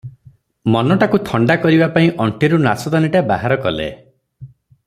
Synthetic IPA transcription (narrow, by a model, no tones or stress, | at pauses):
mɔnɔʈakut̪ʰɔɳɖakɔɾibapaĩʔɔɳʈeɾunasɔd̪aniʈaba̰ɦaɾɔkɔlḛ